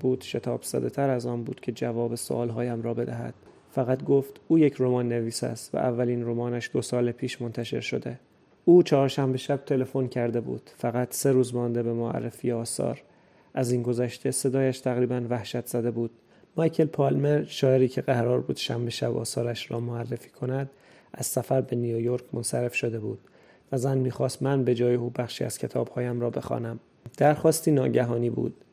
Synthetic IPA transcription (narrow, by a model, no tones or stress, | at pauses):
buːd̪̥ʃe̞t̪ʰɒːbz̥æ̰d̪e̞t̪ʰæɾæzɒːnbuːd̪̥cʰe̞d͡ʒævɒːbe̞so̰ʔɒːlɦɒːjæmɾɒːbe̞d̪æɦæ̰d̪̥ | fæɣæt̪ɡo̞ft̪uːjecʰɾo̞mɒːnːe̞viːsæ̰st̪væ̰ʔævːælinɾo̞mɒːnæʃd̪o̞sɒːlepʰiːʃmo̞nt̪ʰæʃe̞̰ɾʃo̞d̪e̞ | uːt͡ʃʰɒːɾʃæmbe̞ʃæb̥̚t̪ʰe̞le̞fo̞ncʰæɾd̪e̞bṵːd̪̥fæɣæt̪ʰse̞ɾuːzmɒnd̪e̞be̞moæ̰rːefiːjeɒːsɒ̰ːɾ | ʔæziːnɡo̞zæʃt̪ʰe̞se̞d̪ɒːjæʃt̪ʰæɣɾiːbænvæhʃæt̪ʰz̥æd̪e̞buːd̪̥ | mɒjcʰe̞lpʰɒːlmeɾʃɒːeɾiːcʰe̞ɣæɾɒːɾbuːd̪̥ʃæmbe̞ʃæbɒ̰ːsɒːɾæʃɾɒ̰ːmoærːefiːkʰo̞næd̪ | ʔæz̥sæfæɾbe̞nijojo̞ɾkʰmonsæɾe̞fʃo̞d̪e̞buːd̪̥ | væzænmiːxɒːst̪mænbe̞d͡ʒɒːje̞uːbæxʃḭːæ̰z̥cʰe̞t̪ʰɒːb̥hɒːjæmɾɒːbe̞̰xɒ̰ːnæm | d̪̥æɾxɒːst̪iːnɒːɟæɦɒːniːbṵːd̪̥̚